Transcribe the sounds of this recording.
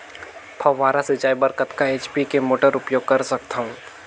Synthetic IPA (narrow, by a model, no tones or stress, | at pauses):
pʰɐʋaːɾasɪd͡ʒaːibɐɾkət̪kaeːt͡ʃpikemoːʈəɾʊpjoːɡ̚kɐɾsɐk̚t̪aɦũː